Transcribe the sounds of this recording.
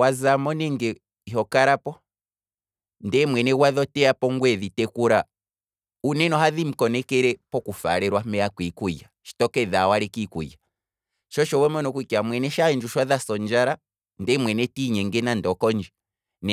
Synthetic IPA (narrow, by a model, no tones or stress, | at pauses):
wazamɔnɛŋɡɛ | iɦɔkaɾapɔ | ndɛmwɛnɛwaðɔtɛapɔŋɡwɛðitɛkuɾa | unɛnɔhaðim̩kɔnɛkɛɾɛpɔkufa̰ɾɛɾwamɛjakwikujaʃi̥tɔkɛðawaɾɛkikṵja | ʃɔʃɔwɛmɔnɔkwikiamwɛnɛʃaind͡ʒuʃwaðasɔnd͡ʒaɾa | ndɛmwɛnɛtiɲɛŋɡɛnandɔkɔnd͡ʒi | nɛ